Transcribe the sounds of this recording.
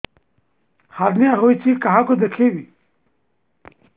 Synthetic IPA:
haɾnjaːɦoːit͡ɕʰikaɦakod̪ekʰewi

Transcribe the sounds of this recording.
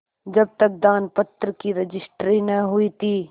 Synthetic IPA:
d͡ʒɐb̚t̪ɐk̚d̪aːnpɐt̪ɾəkiɾɐd͡ʒɪsʈɾinɐɦʊit̪ʰiː

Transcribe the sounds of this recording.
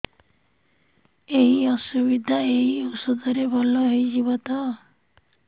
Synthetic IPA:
eɦiɔsubid̪ʱaejiusud̪ɔɾebʱɔlɔɦejd͡ʒiβɔt̪ɔ

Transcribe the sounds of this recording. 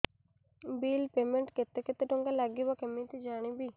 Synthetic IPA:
biːlpeːmeɳʈket̪ːeket̪ːeʈoŋɡalaɡibakemĩt̪id͡ʒaːɽ̃ibi

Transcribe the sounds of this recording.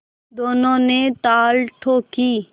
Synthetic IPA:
d̪oːnõːneːt̪aːlʈʰoːkiː

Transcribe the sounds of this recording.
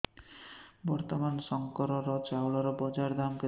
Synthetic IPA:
bɔɾt̪ɔmansɔŋkɔɾɔɾɔt͡ʃawɭɔɾɔbɔd͡ʒaɾd̪amke

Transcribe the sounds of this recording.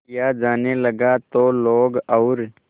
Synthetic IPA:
jaːd͡ʒaːneləɡaːt̪oːloːɡɐʊɾ

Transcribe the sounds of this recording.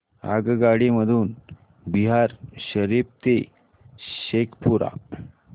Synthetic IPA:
a̰ɡɡaɽiməd̪ʱuːn | biɦaɾɕəɾib̚t̪e | ɕekʰpuɾa̰

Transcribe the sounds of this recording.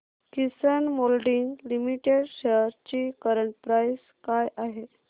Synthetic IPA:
kisənmolɖiŋlimiʈeɽɕeɾt͡ɕikəɾəɳʈ̚pɾajs | kajaɦe

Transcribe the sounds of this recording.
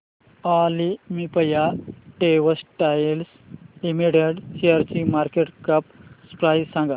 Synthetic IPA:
alimipəjaʈeʋəsʈajls | imiɽeɽsiaɾt͡ɕimaɾkeʈkəpspɾajsãŋɡa

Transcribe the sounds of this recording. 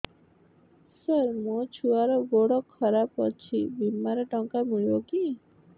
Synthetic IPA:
səɾmot͡ʃʰuaɾɔɡoɽɔkʰːɔɾapɔt͡ʃʰibimːaɾɔʈɔŋkamiɭibɔki

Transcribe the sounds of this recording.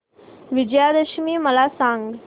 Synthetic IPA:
ʋid͡ʒjaːd̪ɐʃmiːmɐlaːsaːŋɡ

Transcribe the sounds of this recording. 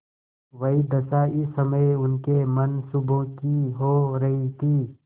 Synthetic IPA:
ʋəid̪ɐsaɪsəməjʊnkemənsubõkiɦoːɾɐɦit̪ʰiː

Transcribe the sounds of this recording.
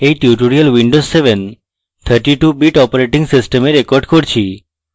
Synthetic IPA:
eʈjuʈoɾijəlʋiɳɖozseʋən | t̪ʰəɾʈiʈubiʈɔpəɾeʈɪ̃ŋɡsɪsʈəmeɾekɔɾɖkɔɾt͡ʃʰi

